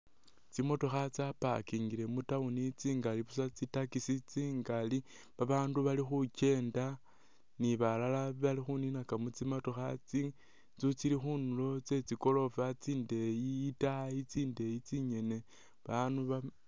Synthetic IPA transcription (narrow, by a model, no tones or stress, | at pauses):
t͡simo̞to̞xat͡sapa̰kiːŋɡile̞mutaunit͡siːŋɡaliβusat͡sitakisit͡siːŋɡali | βaβaːnduβalixuce̞ːnda | niβalalaβalixuninakamut͡simoto̞xat͡si | t͡sut͡silixunulo̞t͡se̞t͡siko̞lo̞fat͡siːnde̞jiːtait͡siːnde̞jit͡siɲe̞ne̞ | βanuβa